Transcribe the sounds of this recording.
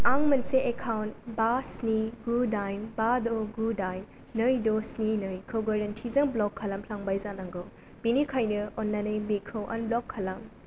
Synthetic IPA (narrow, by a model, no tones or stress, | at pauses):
aŋmɐnseʔekʰawntbasniɡudajmbadoɡudajm | nɯjdosninɯjkʰɯwɡaɾɐntʰizɐŋblɔkʰːɐlampʰlaŋbajzanaŋɡo | b̥inikʰajnɯɔnːanɯjbekʰɯwʔɐ̰nblɔkʰːɐlɐm